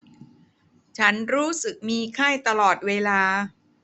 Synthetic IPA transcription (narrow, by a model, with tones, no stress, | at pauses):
t͡ɕʰa˦˥nɾuː˦˥sɯ˨˩k̚miː˧kʰaː˥˩jt̪a˧lɔː˨˩t̪̚weː˧laː˧